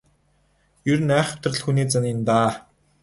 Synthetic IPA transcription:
jɵɾɘ̆næːχʊ̥t̪rə̆ɮxuniːt͡sanint̪aː

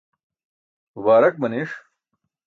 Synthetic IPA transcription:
waːɾɐk̚mɐneːʂ

